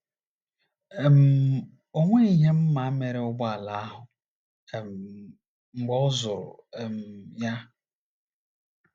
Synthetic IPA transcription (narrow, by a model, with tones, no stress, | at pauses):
e˨m̩˨˦ | o˦ŋʷe˦i˦ɦe˦m̩˦ma˨a˦me˨ɾe˦ʊ˦ɡ͡ba˦a˨la˨˦a˦ɦʊ˨ | e˨m̩˨ | ŋ͡m̩˨ɡ͡bɔ˦ʊ˦zʊ˨ɾʊ̰˨e˨m̩˨ja˦